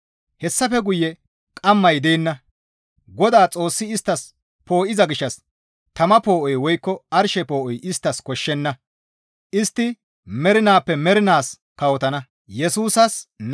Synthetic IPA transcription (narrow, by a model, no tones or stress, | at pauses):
hɛsːɐfɛɡʊjːɛ | kʼɐmːɐjd̪eːnːɐ | ɡɔd̪aːt͡sʼo̞ːsːɪɪst̪ːɐs | po̞ːʔɪzɐɡɪʃːɐs | t̪ɐmɐpo̞ːʔɔjwɔjkːɔɐɾʃɛpo̞ːʔɔjʔɪst̪ːɐskɔʃːɛnːɐ | ʔɪst̪ːɪ | mɛɾɪnaːpːɛmɛɾɪnaːs | kɐwɔt̪ɐnɐ | jɛsuːsɐsn